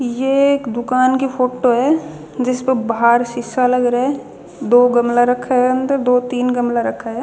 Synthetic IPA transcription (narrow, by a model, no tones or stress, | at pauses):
jeːkd̪ʊkaːnkipʰoːʈoɦɛ | d͡ʒɪspebaɦaːɾʃɪsalɐɡɾəɦɛ | d̪oːɡɐmlaɾɐkʰaɦə̃nd̪əɾd̪oːt̪iːnɡɐmlaɾɐkʰaɦɛ